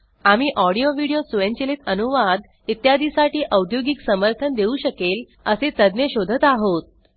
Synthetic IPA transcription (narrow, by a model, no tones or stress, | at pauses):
amiːʔɔɽijoʋiɽijosuʋeɲt͡ɕelet̪ənuʋad̪ | it̪jad̪isaʈiːʔəwd̪ʱjoɡiksəməɾt̪ʰənd̪euɕəkel | əset̪əd̪njeɕod̪ʱət̪aɦot̪̚